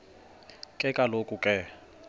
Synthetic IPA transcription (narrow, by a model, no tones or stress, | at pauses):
kʼɛkʼalokʼukʼɛ